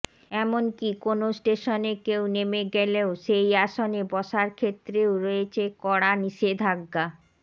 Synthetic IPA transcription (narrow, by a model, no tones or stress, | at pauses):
ɛmonkikonosʈeʃonekewnemeɡɛleoʃejaʃonebɔʃaɾkʰet̪ːɾeoɾoet͡ɕʰekɔɽaniʃed̪ʱaɡːa